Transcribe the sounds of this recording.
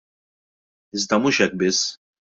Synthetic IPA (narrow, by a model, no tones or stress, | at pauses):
ɪzd̪ɐmuːʃɛk̚ːbɪsː